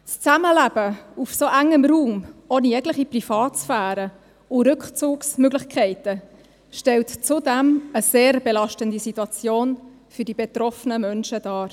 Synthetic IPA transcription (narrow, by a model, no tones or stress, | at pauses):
st͡saməlæb̥əufsoʔæŋəmɾuːmoːnijɛɡləχiprifɑːtsfæːɾə | ʊɾʏkχt͡suːksmøɡlɪχkʰɛɪtə | ʃtɛltt͡sudɛməseːɾbelɑʃtəndisituɑt͡sjoːn | fʏdibet̪rɔfənəmœnʃədɑːɾ